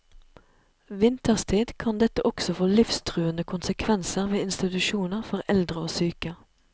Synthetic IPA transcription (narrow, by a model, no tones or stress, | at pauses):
ʋɪnt̪əʁst̪ʰiːd̪kʰɑnd̪ɛt̪əʔɔksɔfoːlɪfst̪ʰʁʉːənəkʰʊnsəkʰʋɛnsəʁʋeːɪnst̪ɪt̪ʉʃuːnəʁfɔʁɛld̪ʁəoːsyːkə